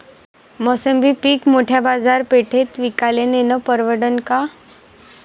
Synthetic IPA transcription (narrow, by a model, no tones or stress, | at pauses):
məsəmbipiːkmoʈʰjabad͡zaɾpeʈʰet̪ʋikalenenəpəɾʋəɽənka